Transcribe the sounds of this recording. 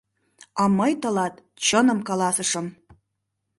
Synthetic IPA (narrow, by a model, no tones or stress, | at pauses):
ɑməjt̪ɤ̆lɑt̪ | t͡ɕənə̆mkɑlɑsəʃə̆m